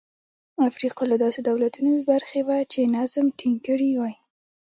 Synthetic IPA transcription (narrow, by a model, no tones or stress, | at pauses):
afɾiqɑlad̪ɑsed̪awlat̪unowebaɾxewat͡ʃenazmʈʰiŋkəɽiwaj